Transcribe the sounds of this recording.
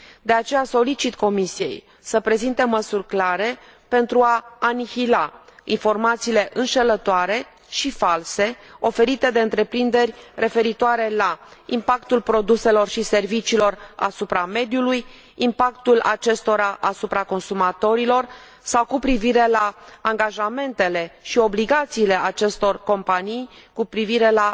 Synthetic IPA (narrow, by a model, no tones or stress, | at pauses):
d̪e̞at͡ʃe̞jaso̞lit͡ʃit̪ko̞misije̞̰j | səpɾe̞zint̪e̞məsurʲklaɾe̞ | pe̞nt̪ɾuaːniçilainfo̞rmat̪siːle̞ʔɨnʃelət̪oaɾe̞ | ʃifalse̞o̞fe̞ɾit̪e̞d̪e̞ɨnt̪ɾe̞pɾind̪e̞ɾʲre̞fe̞ɾit̪oaɾe̞laimpakt̪ulpɾo̞d̪use̞lo̞rʃise̞rvit͡ʃiːlo̞ra̰supɾame̞d̪juluj | impakt̪ulat͡ʃe̞st̪o̞ɾaʔasupɾako̞nsumat̪o̞ɾilo̞r | sawkupɾiviɾe̞laːŋɡaʒame̞nt̪e̞le̞ʃio̞bliɡat̪siːle̞at͡ʃe̞st̪o̞rko̞mpanijkupɾiviɾe̞la